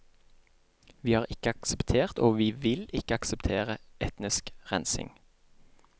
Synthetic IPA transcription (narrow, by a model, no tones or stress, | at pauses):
ʋiːhɑːʁɪkəɑksəpt̪ʰeːʁt̪oːʋiːʋɪlɪkəɑksəpt̪ʰeːʁəʔɛt̪nɪskʁɛnsɪ̰ŋ